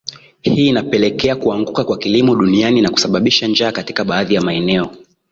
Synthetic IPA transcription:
hiːnapɛlɛkɛakuaŋɡukakwakilimɔɗunianinaku̥saɓaɓiʃand͡ʒaːkati̥kaɓaːðijamaɛnɛɔ

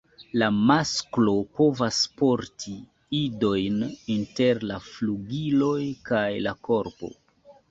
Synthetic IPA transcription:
lamasklo̞po̞vaspo̞ɾtʰi | ido̞jninte̞ɾlafluɡilo̞jkajlako̞ɾpo̞̰

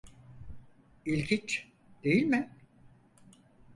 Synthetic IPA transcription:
ilʲcʰint͡ʃ | d̪̥e̞jilʲmɪ

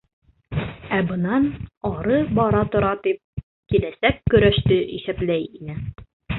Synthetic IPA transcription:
æbɤ̆nɑnɒɾɤbɒɾɑt̪ŏɾɑt̪ip̚ | kilæsækːɵ̆ɾæʃt̪ɵʔḭʃæplæjinɘ

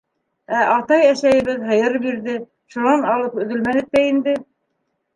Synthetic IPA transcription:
æʔɑt̪ɑjæʃæjɘ̆βɘðɦɤ̆jɤɾbiɾðɘ | ʃunɑnɑlˠɤpɵ̆ðɵ̆lmænɘt̪̚ːæind̪ɘ

